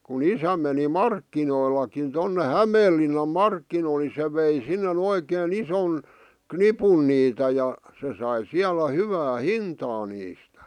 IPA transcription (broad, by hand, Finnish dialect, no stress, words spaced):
kun isæ meni mɑrkːinoilɑkin tonːe hæmeːlːinːɑm mɑrkːinoil ni se ʋei sinːen oikeːn ison knipun niːtæ jɑ se sɑi siælæ hyʋæː hintɑː niːstæ̥